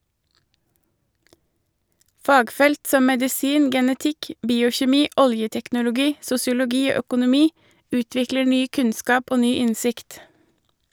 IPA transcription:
ˈfɑːɡˌfɛlt ˈsɔm mɛdɪˈsiːn ɡɛnəˈtɪk ˈbiːʊçɛˌmiː ˈɔljətɛknʊlʊˌɡiː sʊsɪʊlʊˈɡiː ˈoː œkʊnʊˈmiː ˈʉːtʋɪklə ˈɳyː ˈkʉnˌskɑːp ˈoː ˈnyː ˈɪnsɪkt

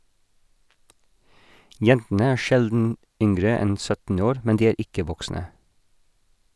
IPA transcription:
ˈjɛntn̩ə ˈæː ˈʃɛldn̩ ˈʏŋɡɹə ˈɛn ˈsœtn̩ ˈoːɾ ˈmɛn ˈdiː ˈeːɾ ˈɪkə ˈʋɔksnə

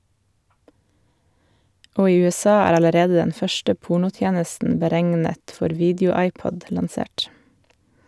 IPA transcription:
ˈoː ˈiː ʉɛˈsɑː ˈæːɾ ɑləˈɾeːd ˈdɛn ˈfœʃʈə ˈpuːɳʊˌtjeːnəsn̩ bəˈɾæŋnət ˈfɔɾ ˈʋiːdəʊˌɑɪˌpɔd lɑnˈseːʈ

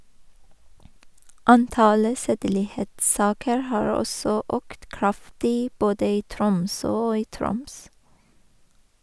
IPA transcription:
ˈɑnˌtɑlə ˈseːdəlɪˌheːtˌsɑːkəɹ ˈhɑːɹ ˈɔsɔ ˈøːkt ˈkɹɑftɪ ˈboːdə ˈiː ˈtɾʊmsøː ˈoː ˈiː ˈtɾʊms

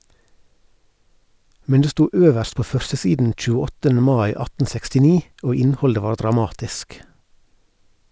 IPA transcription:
ˈmɛn ˈdeː ˈstuː ˈøːʋəɾst ˈpoː ˈfœɾsəˌsiːdn̩ c͡çʉːəˈɔtən̩ ˈmɑɪ ˈɑtn̩ sɛkstɪˈniː ˈoː ˈɪnhɔldə ˈʋɑː ɖɾɑˈmɑːtɪsk

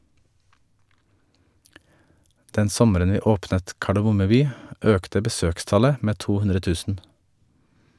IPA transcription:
ˈdɛn ˈsɔməɾən ˈʋiː ˈoːpnət kɑɖɛˈmʊmə ˈbyː ˈøːktə bəˈsøːkˌstɑlə ˈmeː ˈtuː ˈhʉnɾə ˈtʉːsn̩

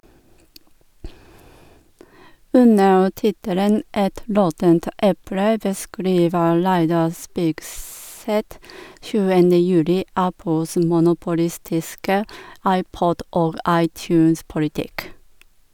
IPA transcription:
ˈʉnəɹ ˈtɪtələn ˈʔɛt ˈɾɔtənt ˈʔɛpɽə bəˈskɾiːʋə ˈɹæɪdɑ ˈspiːkˌsɛt ˈʃʉːənə ˈjʉːlɪ ˈæpl̩s mʊnʊpʊˈlɪstɪskə ˈɑɪˌpɔd ˈʔoːɡ ˈɑɪˌtjʉːnspʊlɪˌtɪk

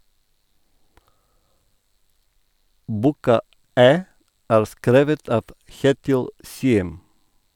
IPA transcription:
ˈbuːkɑ ˈæː ˈæːɾ ˈskɾeːʋət ˈɑːʋ ˈçeːtɪl ˈsiːəm

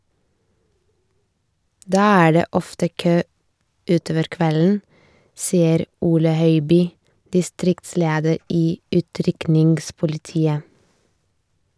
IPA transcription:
ˈdɑː ˈæː ˈɖeː ˈɔftə ˈkøː ˈʉːˌtoːʋəɾ ˈkʋɛln̩ ˈsiːəɾ ˈuːlə ˈhœʏbyː dɪˈstɾɪktˌsleːdəɾ ˈiː ˈʉːtɾʏknɪŋɡspʊlɪˌtiːə

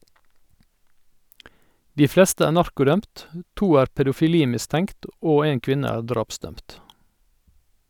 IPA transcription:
ˈdiː ˈflɛstə ˈæːɾ ˈnɑɾkʊˌdœmt ə ˈtuː ˈæːɾ pɛdʊfɪˈliːmɪˌstɛŋkt ˈoː ˈeːŋ ˈkʋɪnə ˈæːɾ ˈdɾɑːpˌsdœmt

